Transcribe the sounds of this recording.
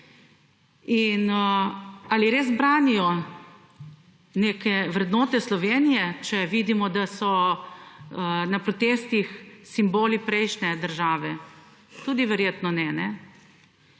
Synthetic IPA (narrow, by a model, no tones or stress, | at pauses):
in | aliɾeːzbɾaːnijɔ | neːkɛʋɾɛd̪nɔːt̪ɛslɔʋeːnijɛt͡ʃɛʋiːd̪imɔd̪asɔ | napɾɔt̪est̪ixsimboːlipɾɛjʃnɛd̪əɾʒaːʋɛ | t̪uːd̪iʋɛɾjeːt̪nɔnɛnɛ